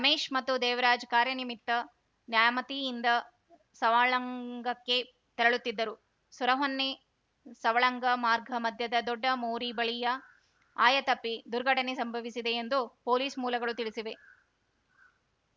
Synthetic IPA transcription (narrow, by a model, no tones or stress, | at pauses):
ɾɐmeːʂmɐt̪ːud̪ɛːʋɐɾaːd͡ʒkaːɾjɐnimit̪ːɐ | njaːjmɐt̪iːnd̪ɐ | sɐʋaːɭɐŋɡɐkːe̞ | t̪ɐɾɐɭut̪ːid̪ːɐɾu | suɾɐɦonːe̞ | sɐʋɐɭɐŋɡɐmaːɾɡʱɐmɐd̪ʱjɐd̪ɐd̪ɔɖːɐmoːɾibɐɭijɐ | aːjɐt̪ɐpːid̪uɾɡʱɐʈɐne̞sɐmbʱɐʋisid̪e̞ːnd̪upo̞ːliːsmuːlɐɡɐɭut̪iɭisiʋe̞